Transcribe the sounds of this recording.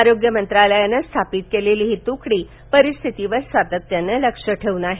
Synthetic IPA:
aɾoɡjəmənt̪ɾaləjanːəst̪ʰapiːt̪̚keleliːɦit̪ukɽiː | pəɾist̪ʰit̪iʋəɾsat̪ət̪ːjanːələkʂəʈʰeunaɦe

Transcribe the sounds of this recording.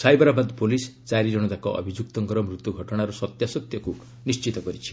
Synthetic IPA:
sajbɔɾabad̪polist͡ʃaɾid͡ʒɔɽ̃ɔt̪akɔʔɔ̰bʱid͡ʒuk̚t̪ɔŋɡɔɾɔmɾut̪ːuɡʱɔʈɔɽ̃aɾusɔt̪jasɔt̪jɔku | nist͡ʃit̪ɔkɔɾit͡ʃʰi̥

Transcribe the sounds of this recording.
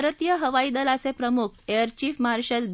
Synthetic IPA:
ɾət̪ijəɦəʋaid̪əlasepɾəmukʰeəɾt͡ɕiːfmaaɾɕəlb

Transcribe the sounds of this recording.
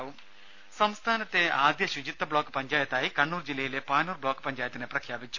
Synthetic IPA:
ʋum | sɐmst̪ʰaːnɐt̪ːeaːd̪jɐɕud͡ʑit̪ːɐbɭoːkːpɐɲd͡ʒaːjɐt̪aːjikɐɳːuːɾd͡ʑilːejilepaːnuːrbɭoːkːpɐɲd͡ʒaːjɐt̪ːineprɐkʰjaːpit͡ʃːu̥

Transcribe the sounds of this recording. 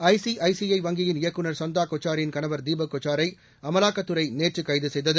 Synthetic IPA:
ɐɪsiʔɐɪsiɐɪʋɐŋɡɪjɪnɪjɐkːɯnɐɾsɔnd̪aːkɔt͡ʃːaːɾɪnkɐnɐʋɐɾd̪iːbɐkːɔt͡ʃːaːɾɐɪ | ɐmɐlaːkːɐt̪ːɯɾɐɪneːrt͡ʃːɯkːɐɪðɯsɛjðɐðɯ

